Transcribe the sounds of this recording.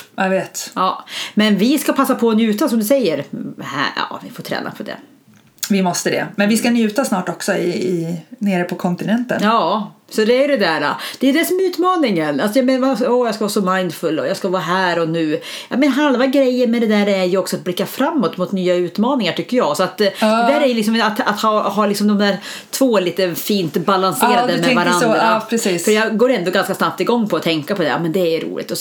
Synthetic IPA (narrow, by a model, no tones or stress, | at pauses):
aveːt̪jɑːmɛnvɪskapʰasːapʰɔnjʉ̟ːt̪asɔmd̪ɵsɛjːəɾhæ̰jɑ̰ːvɪfot̪ʰɾɛ̰ːnʔa̰pʰɔd̪ɛ̰ | vɪmɔst̪əd̪ɛ̰mɛnvɪskanjʉ̟ːt̪asnɑːʈɔksɔɪɪneːɾəpʰɔkʰɔnt̪ɪnɛnt̪ənjɑː | sɔd̪ɛæjɖ̪ɛd̪æːɾa̰d̪̥ɛjɵd̪ɛsɔmɛʉːt̪mɑːnɪŋənalsɔjɑmeːnvasɔːjɑskavɑːsɔmaɪnd̪fɵlːɔjɑskavɑːɦæːɾɔnʉ̟ːjɑ̰ːmɛnɦalvaɡɾɛjːəɾmɛd̪ɛd̪æːɾɛɾjɵɔksɔat̪̚blɪkːafɾamːɔt̪mʊt̪nyːaʉ̟ːt̪mɑːnɪŋaʈʰʏkːəɾjɑːɡsɔat̪d̪ɛd̪æːɾɛɾjɵlɪks̬ɔmat̪a̰t̪hɑhɑːlɪksɔmd̪ɔmd̪æːt̪ʰvoːliːt̪əfiːnt̪balanseːɾad̪əmɛvaɾand̪ɾapʰɾɛsiːsfœɾjɑːɡoːɾɛnd̪ɔɡanskasnap̚t̪ɪɡɔŋːpʰɔːt̪ʰɛŋkapʰɔd̪ɛ̰jɑ̰ːmɛnd̪ɛːjɾṵːlɪ̰t̪ɔ